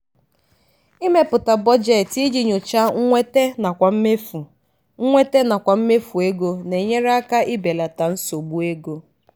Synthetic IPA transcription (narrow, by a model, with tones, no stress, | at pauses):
i˦me˦pʊ˨ta˨bɔ˦d͡ʒe˨ti˦d͡ʒi˨ɲo˨t͡ʃa˦ŋ̩˦ŋʷe˦te˦na˨kʷa˨m̩˦me˦fu˨ | ŋ̩˦ŋʷe˦te˦na˨kʷa˨m̩˦me˦fu˨e˦ɡo˦ne˨ɲe˦ɾa˦ka˦ʔɪ˦be˨la˨ta˨n̩˦so˨ɡ͡bu˦e˦ɡo˦